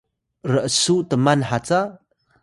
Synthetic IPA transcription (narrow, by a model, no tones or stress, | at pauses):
ɾəʔəsutəmanħat͡sa